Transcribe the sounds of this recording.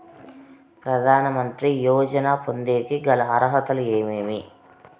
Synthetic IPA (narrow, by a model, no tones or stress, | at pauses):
pɾɐd̪ʱaːnɐmɐnt̪ɾijɔːd͡ʒɐnaːpond̪eːk̪iɡɐlɐɦɐɾɐɦɐt̪ɐlueːmeːmi